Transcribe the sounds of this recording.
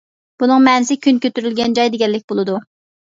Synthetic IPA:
b̥unɨŋmɛnɪsɪkʲʰynkʲøt̪yɾylɡʲɛnd͡ʒɑjd̪eɡʲɛlːɪk̚ʲbolˠɨd̪u

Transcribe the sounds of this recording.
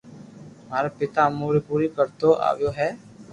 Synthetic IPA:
maːɾepɪt̪aːmuːɾipuːɾiːkəɾt̪oːʔa̰ːʋjoːɦɛː

